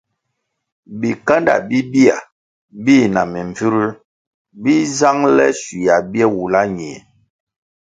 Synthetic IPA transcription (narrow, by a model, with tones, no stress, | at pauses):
bi˨ka˦nda̰˨bi˦bi˦a̰˨ | bi˦˨na˨mi˨ɱ˨fi˦ɾi˦ | bi˦za˦ŋlɛ̰˦si˨ja˨bjɛ˦wu˨la˦ɲe˨